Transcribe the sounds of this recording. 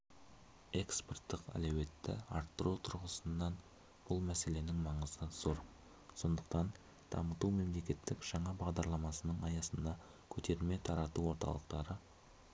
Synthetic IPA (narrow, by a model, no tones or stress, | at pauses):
e̞ksport̪ːəqæ̰lewe̞t̪ːɪ̰ɑɾt̪ːəɾut̪ʰʊɾʁəsənːɑn | b̥ʊlˠmæse̞le̞nɪŋmɑɴəzəz̥oɾ | so̞nd̪əq̚t̪ɑn | d̪̥ɑ̰mət̪ume̞mle̞kʲe̞t̪ːɪkʒ̥ɑɴɑbɑʁd̪ɑɾlˠɑmɑsənəɴɑjɑsənd̪ɑ | kʲʰɵt̪ʰe̞ɾme̞t̪ʰɑɾɑt̪uwo̞ɾt̪ɑ̰lˠəqt̪ɑɾə